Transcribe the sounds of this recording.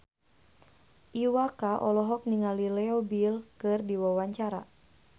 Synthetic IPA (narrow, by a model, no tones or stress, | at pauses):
ʔiwakaʔɔlɔɦɔk̚niŋalilɛɔbilkɨrdiwawaɲt͡ʃaɾa̰